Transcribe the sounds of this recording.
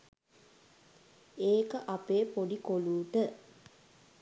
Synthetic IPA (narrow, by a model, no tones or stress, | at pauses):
eːkəʔapeːpoɖikoluːʈə